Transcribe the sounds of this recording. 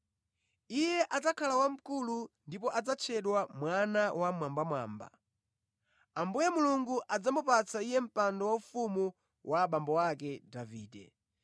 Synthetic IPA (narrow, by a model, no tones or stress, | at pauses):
ijɛʔad͡zakʰalawam̩kulundip̬ɔʔad͡zat͡ʃʰɛɗwamwanawamwambamwa̰ːmba̰ | ambujamuluŋɡuʔad͡zamupat͡sʰaijɛm̩pandɔwaufumu | wʔaɓambɔwakɛdaviːdɛ̰